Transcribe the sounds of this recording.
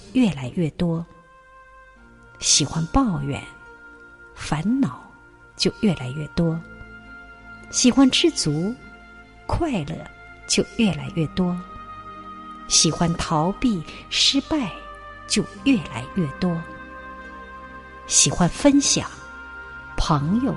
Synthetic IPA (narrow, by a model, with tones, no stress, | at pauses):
ɥɛ˥˩la˧˥ɪɥɛ˥˩t̪wɔ˥ | ɕi˨˩xwa˥npɑ˥˩ʊɥɛ̰˨˩˦n | fa˧˥nnɑ˨˩˦ʊ | t͡ɕjo˥˧ʊɥɛ˥˩la˧˥ɪɥɛ˥˩t̪wɔ˥ | ɕi˨˩xwa˥nʈ͡ʂɻ̩˥˩t͡su˧˥ | kʰwa˥˧ɪlɤ̰˥˧ | t͡ɕjo˥˧ʊɥɛ˥˩la˧˥ɪɥɛ˥˩t̪wɔ˥ | ɕi˨˩xwa˥nt̪ʰɑ˧˥ʊpi˥˩ʂɻ̩˥pa˥˧ɪ | t͡ɕjo˥˧ʊɥɛ˥˩la̰˧˥ɪɥɛ˥˩t̪wɔ˥ | ɕi˨˩xwa˥nfə˥nɕjɑ̰˨˩˦ŋ | pʰɤ˧˥ŋjo˥˧ʊ